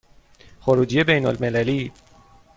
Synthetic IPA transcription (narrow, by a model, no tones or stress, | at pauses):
xoɾuːd͡ʒije̞bejnolmelæliː